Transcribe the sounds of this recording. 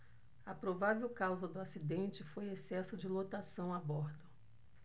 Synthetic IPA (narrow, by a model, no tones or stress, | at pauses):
ɐpɾovavewkawzɐd̪ʊasid̪ẽnt͡ʃɪfojesɛsʊd͡ʒɪlot̪asɐ̃w̃abɔɾd̪ʊ